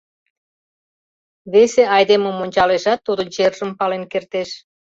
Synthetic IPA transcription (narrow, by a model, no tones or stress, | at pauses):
βeseʔɑjd̪emomonʲt͡ɕɑleʒɑt̪ːud̪ot͡ɕerʒəmpɑlenkert̪eʃ